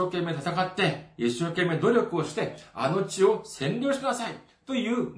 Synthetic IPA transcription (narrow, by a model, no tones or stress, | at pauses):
oːke̞mːe̞t̪at̪akat̪ːe̞iɕːo̞ːkẽ̞mːe̞d̪o̞ɾʲo̞kɯo̞ɕi̥t̪e̞a̰no̞t͡ɕio̞sẽ̞ɲʲɾʲo̞ːɕi̥kɯnasai | t̪o̞jɯ̟ː